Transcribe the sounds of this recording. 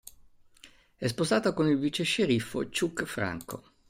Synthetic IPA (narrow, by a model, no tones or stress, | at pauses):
ɛspozaːt̪akonilvit͡ʃeʃːeɾifːo̰t͡ʃukːfɾa̰ŋko̰